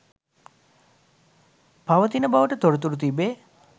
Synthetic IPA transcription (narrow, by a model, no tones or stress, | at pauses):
paʋət̪inəbaʋəʈət̪oɾət̪̬uɾut̪̬ibeː